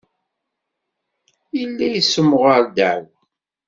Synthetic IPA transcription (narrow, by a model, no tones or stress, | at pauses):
ilːæjəsːəmːʁəɾd̪æw